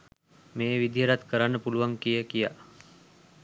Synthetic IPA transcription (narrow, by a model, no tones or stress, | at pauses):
meːʋid̪ʱijəɾat̪kəɾanːəpuluʋaŋkijəkija